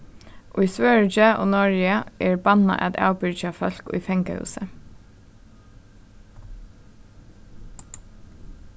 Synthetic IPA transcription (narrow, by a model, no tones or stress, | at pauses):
ʔoːiːsʋøːɹd͡ʒəʔo̰ːnɔɹjəʔeːɹbɑnɑ̰ʔɛ̰d̪ɑ̰ːbʏɹd͡ʒɑːfœlkṵiːfɛŋkəhʉ̰ːsə